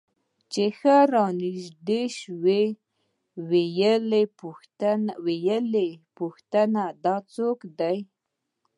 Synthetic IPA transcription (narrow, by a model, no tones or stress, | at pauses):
t͡ʃexəɾɑniʒd̪eʃwe | wejəlep̪ | wejəlepuxt̪ənad̪ɑt͡sokd̪aj